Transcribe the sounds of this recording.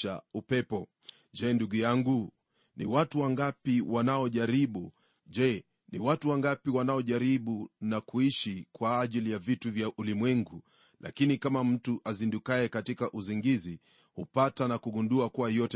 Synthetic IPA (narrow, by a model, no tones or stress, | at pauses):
a̰upɛpɔ | ʄɛnduɡujaŋɡu | nḭwatuwaŋɡapiwanaɔʄaɾiɓu | ʄɛ | nḭwatuwaŋɡapiwanaɔʄaɾiɓunakuiʃikwaːʄilijavituvjaʔulimwɛŋɡu | lʔa̰kinikamam̩tuʔazindukajɛkatikaʔuziŋɡizi | hupatanakuɡunduakuwajɔtɛ